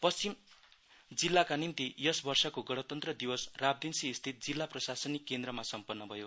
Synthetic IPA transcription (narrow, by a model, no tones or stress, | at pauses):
pʌst͡sim | d͡zilːakanint̪ijʌsbʌrsʌkoɡʌɽ̃ʌt̪ʌnt̪rʌd̪iwʌsrab̚d̪insiːst̪ʰit̪̚d͡zilːaprʌsasʌnikːend̪rʌmasʌmpʌnːʌbʱʌjo